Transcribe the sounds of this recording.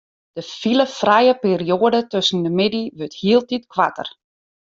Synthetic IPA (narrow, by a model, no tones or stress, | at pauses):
d̥əfiləfrajəpeːrioədətøsən̩dəmɪdiʋøthiəlˠtitkʋa̰tə̰r